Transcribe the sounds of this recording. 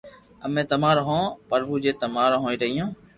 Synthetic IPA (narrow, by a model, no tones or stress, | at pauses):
əmẽːt̪əmaːɾɦõːpəɾbuːd͡ʒeːt̪əmaːɾoɦõːĩːʈəijõː